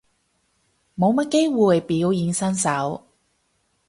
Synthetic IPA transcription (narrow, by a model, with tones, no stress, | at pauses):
mo˨˧wmɐ˥t̚ke˥jwu˨˧˨jpiː˨˥wji˨˧nsɐ˥nsɐ˨˥w